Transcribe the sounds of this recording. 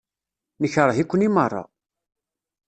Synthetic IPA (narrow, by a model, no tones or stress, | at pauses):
nəçɾˤəhikʷːənimərˤːɑ̰